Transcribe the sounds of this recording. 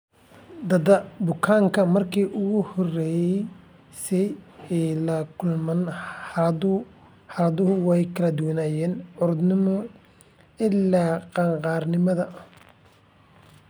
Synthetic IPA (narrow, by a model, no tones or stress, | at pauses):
d̪ɐd̪ɐbʊkʰaːŋkʰɐmɐrkʰiːʔʊɣʊhɔrɛːjɛ | sɛjɛːlɐkʰʊlmɐn | hɐɾɐðʊɦʊwɛjkʰɐlɐd̪ʊwɐnaːjɛːnʕʊɾd̪nɪmɔ | ɪlːaːqɑŋqɑːrnɪmɐðɐ